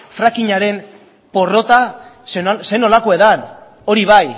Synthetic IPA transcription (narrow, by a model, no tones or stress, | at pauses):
fɾakiɲaɾe̞m | po̞ro̞t̪a | sese̞no̞lakoe̞ðan | o̞ɾiβ̞aj